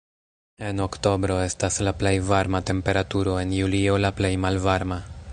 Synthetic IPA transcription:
e̞no̞kto̞bɾo̞e̞staslaple̞jvaɾmate̞mpe̞ɾatuɾo̞e̞njulio̞laple̞jmalvaɾma

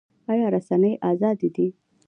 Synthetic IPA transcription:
ɑjɑɾasanəjʔɑzɑd̪id̪i

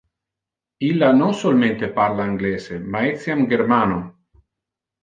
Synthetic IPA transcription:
ilːanoŋsolment̪epaɾlaiŋɡlɛːsemaesjamɡeɾmaːno

